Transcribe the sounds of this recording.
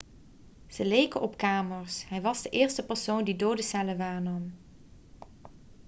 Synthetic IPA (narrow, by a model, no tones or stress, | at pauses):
z̥əlejkəʔɔpkaːməɹsɦɛjʋɑzdəʔɪːɹstəpəɹsowndidoːdəsɛləʋaːɹnɑm